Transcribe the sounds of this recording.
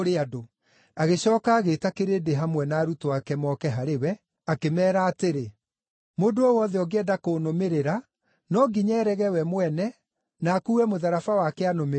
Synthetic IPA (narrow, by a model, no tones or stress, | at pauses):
oɾeado | aɣeɕɔːkaːɣeːtakeɾeːdeɦamwɛnaːɾutowakɛmɔːkɛɦaɾewɛ | akemɛːɾaːteɾe | modoɔwɔðɛɔɡeɛdakonomeɾeɾa | nɔɡiɲɛɾɛɣɛwɛmwɛnɛ | naːkuːwɛmoðaɾafawakɛanome